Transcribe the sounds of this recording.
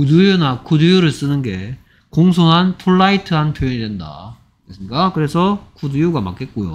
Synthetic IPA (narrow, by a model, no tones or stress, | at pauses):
kudujunakʰudujuɾɯɭs͈ɯnɯnɡe̞ | koŋsʰoɦanpʰuɭːaitʰɯɦanpʰjojoɲidwe̞nda̰ | kes͈ɯmɲik͈akɯɾe̞sʰʌkʰudujuɡama̰k͈e̞t̚k͈ojo̰